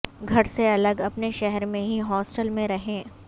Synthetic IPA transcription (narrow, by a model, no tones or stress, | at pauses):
ɡʱɐɽseɐləɡɐpneʃɛɦɛɾmẽɦiɦɔːsʈəlmẽɾɐɦẽː